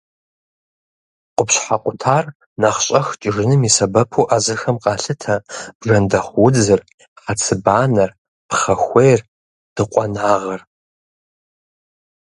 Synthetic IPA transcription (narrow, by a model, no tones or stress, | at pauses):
qʷʊpɕħaqʷʼʊtʰaːr | naχɕʼɐxt͡ʃʼɪʐɨnɨmisɐbɐpʰuːʔaːzɨrxɐmqʼɑːɬɨtʰɐb̥ʐɐndɐχʷwʊd͡zɨr | χɐt͡sʰɨbaːnɐr | pχɐxʷejr | d̥ɨqʷʼɔnaːʁɐr